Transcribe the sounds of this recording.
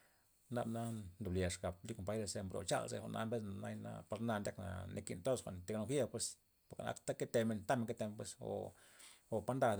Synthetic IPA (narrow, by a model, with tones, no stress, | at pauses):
na˧bna˦nd̪u˨blje˨ʂɡa˨b̚li˦ko˨mpa˦jɾe˧˨se˧mbɾo̰˨t͡ʃa̰˧lsḛ˧xʷo̰˧˨nʔa˧mbe˦s̬na˨na˦jna̰˧˦pa˧ɾna˧nd̪ʲa˦kna̰˨nḛ˧kḭ˧˨nt̪o˦sxʷa̰˨nt̪e˧ɡno˧xje˦pwe˧s | po˨ka˨na̰˦kt̪a˦ke˦t̪e˧me˧nt̪a˦me˧ŋke˦t̪e˧m˧pwe˧so̰˨ | o˨pa˦nd̪a˧d̪